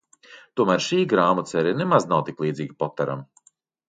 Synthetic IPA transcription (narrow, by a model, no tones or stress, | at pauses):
t̪uɔmæːɾʃiːɡɾaːmɔt̪sɛɾʲinemaznawt̪iklˠiːziːɡipɔt̪ːaɾa̰m